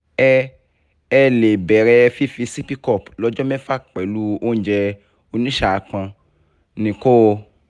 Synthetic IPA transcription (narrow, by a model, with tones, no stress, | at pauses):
ɛ˧ | ɛ˧le˨bɛ˨ɾɛ˧fi˦fi˧si˦pi˦kɔ˦˨plɔ˦d͡ʒɔ˦mɛ˦fa˦˨k͡pɛ˨lu˦˧o˦n̩˦d͡ʒɛ˧ | o˧nĩ˦ʃa˦˨a˨˧k͡pã˧ | nĩ˧ko˦˧